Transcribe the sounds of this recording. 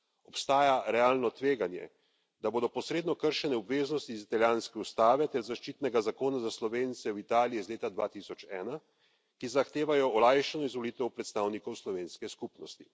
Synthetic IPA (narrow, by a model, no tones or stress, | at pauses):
ɔpst̪aːjaɾɛaːlnɔt̪ʋeːɡanjɛ̰ | d̪aboːd̪ɔpɔsɾeːd̪nɔkəɾʃɛnɛɔbʋeːznɔst̪iːzit̪aljaːnskɛust̪aːʋɛt̪ɛɾzaʃt͡ʃit̪nɛɡazakoːnazaslɔʋeːnt̪sɛwit̪aːlijɛzleːt̪ad̪ʋa̰ːt̪isɔt͡ʃɛːna | kizaxt̪eːʋajɔɔlajʃanɔizʋɔliːt̪ɛwpɾɛt̪st̪aːwnikɔwslɔʋeːnskɛskupnɔst̪i̥